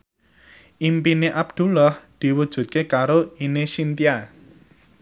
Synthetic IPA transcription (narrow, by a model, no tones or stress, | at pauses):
ʔimpineʔab̚d̪̥ṳlɔhd̪̥i̤wud̥ʒ̥ṳt̪̚kekaɾoinesint̪ia